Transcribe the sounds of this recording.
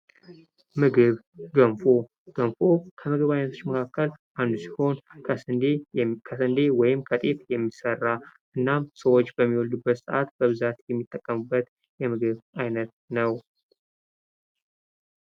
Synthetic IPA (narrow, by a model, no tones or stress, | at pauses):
mɨɡɨβ | ɡəmfo | ɡ̥əmfokʰəmɨɡɨβajnət̪ʰo̞t͡ʃːməkʰakːəlʔand̪usi̥ho̞nʰ | kʰəsɨnd̪e̞wɔjɪmkʰət̪ʼet̪jɛmːisərːaʔɨnːamsəwot͡ʃːbəmːiwɔld̪ubːət̪səʔat̪b̥əβɨzat̪jɛmːit̪ʼːəkʼːəmɨbːət̪ | jɛmɨɡɨβʔajnət̪̚ | nəw